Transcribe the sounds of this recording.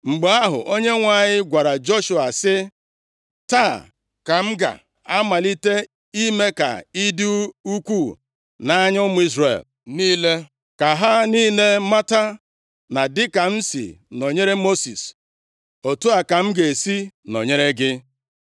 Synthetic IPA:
ŋ͡m̩˨ɡ͡be˨a˦ɦʊ̰˨ʔo˦ɲe˦ŋʷa˨ɲɪ˦ɡʷa˨ɾa˨d͡ʒo˦ʃu˨a˨sɪ˦ | ta˦˨ | ka˨ŋ͡m̩˦ɡa̰˨ | a˦ma˨li˦te˦ | i˦me˦ka̰˨i˦du˦u˦kʷuː˦˨ | na˦ɲʊ˦mʊ˦i˦zre˨l | niː˦le˦ | ka˨ɦa˦niː˦le˦ma˦ta˦ | na˨dɪ˦ka˨n̩˦sḭ˨no˨ɲe˦ɾe˦mo˦sḭ˨s | o˨tu˦a˨ka˨ŋ͡m̩˦ɡe˨si˦no˨ɲe˦ɾe˦ɡɪ˦

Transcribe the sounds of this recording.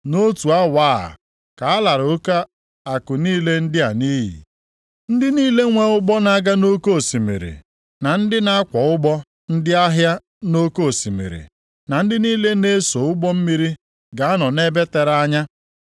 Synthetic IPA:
no˦tu˨a˦waː˦a̰˨ | ka˨a˦la˨ɾo˦ka˦ | a˨kʊ˨niː˦le˦n̩˦dɪ˦a˨niː˦ɦḭ˨ | n̩˦dɪ˦niː˦le˦ŋʷe˨ʊ˦ɡ͡bɔ˦na˦ɡa˦no˦ko˦o˨si˨mḭ˨ɾḭ˨ | na˨n̩˦dɪ˦na˦a˦kʷɔ˨ʊ˦ɡ͡bɔ˦ | n̩˦dɪ˦a˦ɦja˦ | no˦ko˦˨si˨mḭ˨ɾḭ˨ | na˨n̩˦dɪ˦niː˦le˦ne˦so˨ʊ˦ɡ͡bɔ˦m̩˦mi˦ɾi˦ | ɡa˨a˦nɔ˨ne˦be˦te˨ɾa˦ɲa˦

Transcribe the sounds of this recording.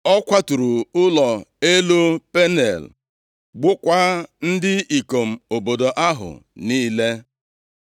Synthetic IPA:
ɔ˦kʷa˦tu˨ɾu˨ʊ˦lɔ˨e˦lo˦pe˦ne˨l | ɡ͡bʊ˦kʷa˦n̩˦dɪ˦i˨ko˨m̩˨o˨bo˨do˨ʔa˦ɦʊ̰˨niː˦le˦

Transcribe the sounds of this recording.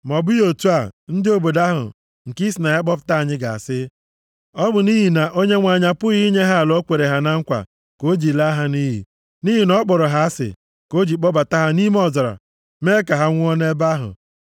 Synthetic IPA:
mɔ˨bʊ˦jo˨tu˦a˨n̩˦dɪ˦o˨bo˨da˦ɦʊ̰˨ | ŋ̩˨ki˦si˨na˨a˦k͡pɔ˦p̬ta˦˨ɲɪ˦ɡa˨a˨sɪ˦ | ɔ˦bʊ˨ni˦ɦi˨na˨ʔo˦ɲe˦ŋʷa˨ɲa˦pʊ˦ɣi˦ɲe˦ɦa˦˨lɔ˦kʷe˨ɾe˨ɦa˨na˦ŋ̩˦kʷa̰˨ | ko˦d͡ʒi˨la˦ɦa˦ni˦ɦḭ˨ | ni˦ɦi˨nɔ˦k͡pɔ˨ɾɔ˨ɦa˨a˦sɪ̰˨ | ko˦d͡ʒi˨k͡pɔ˦ba˨ta˦ɦa˦ni˦m˦ɔ˨zɔ˨ɾa̰˨ | me˦ka˨ɦa˦ŋʷʊ˦ɔ˦ne˦ba˦ɦʊ̰˨

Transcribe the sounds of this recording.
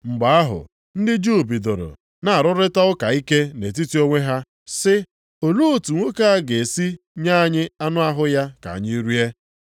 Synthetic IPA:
ŋ͡m̩˨ɡ͡ba˦a˦ɦʊ̰˨ | n̩˦dɪ˦d͡ʒu˦˨bi˨do˨ɾo̰˨ | na˨a˨ɾʊ˦ɾɪ˦ta˦ʊ˦ka˨i˦ke˦ne˨t̬i˦ti˦o˦ŋʷe˦ɦa˦ | sɪ˦ | o˨lu˦o˨tu˨ŋʷo˦ka˦a˦ɡe˨si˦ | ɲa˦a˨ɲɪ˦a˦nʊ˦a˦ɦʊ˦ja˦ka̰˨a̰˨ɲɪ˦i˦ɾu˦e˦

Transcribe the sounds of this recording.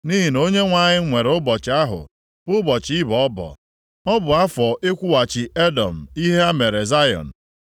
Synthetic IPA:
ni˦ɦi˨no˦ɲe˦ŋʷa˨ɲɪ˦ŋʷe˨ɾʊ˦bɔ˨t͡ʃɪ˨a˦ɦʊ̰˨ | b̥ʊ˦bɔ˨t͡ʃi˦bɔ˦bɔ̰˨ | ɔ˦bʊ˨a˦fɔ˨e˦kʷu˦wa˨t͡ʃɪ˨e˦dɔ˨m̩˨i˦ɦe˦a˦me˨ɾe˨za˦jɔ̰˨n̩˨

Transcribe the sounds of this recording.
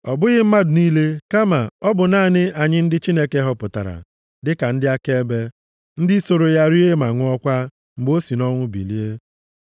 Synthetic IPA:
ɔ˨bʊ˦ɣɪ˦m̩˦ma˦dʊ˨niː˦le˦ka˦ma˨ɔ˦bʊ˨naː˦˨nɪ˦a˨ɲɪ˦n̩˦dɪ˦t͡ʃi˦ne˦ke˦ɦɔ˦pʊ˨ta̰˨ɾa̰˨ | dɪ˦ka˨n̩˦dɪ˦a˦ke˦e˦be˦ | n̩˦dɪ˦so˨ɾo˨ja˦ɾi˦e˦ma˨ŋʷʊ˦ɔ˦kʷa˦ | ŋ͡m̩˨ɡ͡bo˦si˨nɔ˦ŋʷʊ˦bḭ˨li˦e˦

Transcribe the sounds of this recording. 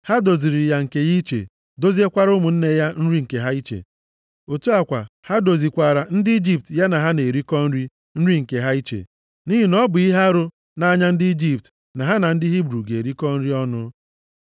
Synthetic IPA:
ha˦do˨zi˨ɾi˨ja˨ŋ̩˨ke˨ji˦t͡ʃḛ˨ | do˦zi˦e˦kʷa˦ɾʊ˦mʊ˨n̩˦ne˦ja˦n̩˦ɾi˦ŋ̩˨ke˨ɦa˦i˦t͡ʃḛ˨ | o˨tu˦a˨kʷa̰˨ha˦do˨zi˨kʷa˨ɾa˨n̩˦dɪ˦i˦d͡ʒi˦p̚tja˦na˨ɦa˦ne˨ɾi˦kɔ˦n̩˦ɾi˦ | n̩˦ɾi˦ŋ̩˨ke˨ɦa˦i˦t͡ʃḛ˨ | ni˦ɦi˦nɔ˦bʊ˨i˦ɦa˦ɾʊ˦ | na˨a˦ɲa˦n̩˦dɪ˦i˦d͡ʒi˦p̚t | na˨ɦa˦na˨n̩˦dɪ˦ɦi˦bɾu˨ɡe˨ɾi˦kɔ˦n̩˦ɾi˦ɔ˦nʊ˦

